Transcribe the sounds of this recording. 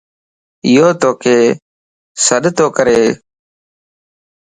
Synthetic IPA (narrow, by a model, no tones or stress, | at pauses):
ɪjoːt̪oːkʰeː | səɗt̪oːkəɾeː